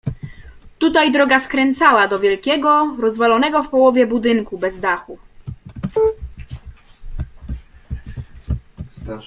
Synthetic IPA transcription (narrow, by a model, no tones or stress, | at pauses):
t̪ut̪ajd̪ɾɔɡaskɾɛnt̪sawad̪ɔvʲjɛlkʲɛɡɔɾɔzvalɔnɛɡɔfpɔwɔvʲjɛbud̪ɘŋkubɛzd̪axu